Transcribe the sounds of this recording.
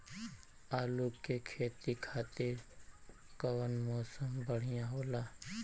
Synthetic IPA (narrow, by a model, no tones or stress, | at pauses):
aːluːkːekʰeːt̪ikʰaːt̪ɪɾ | kəwənmɔːsəmbəɽ̤ɪjãɦoːlaː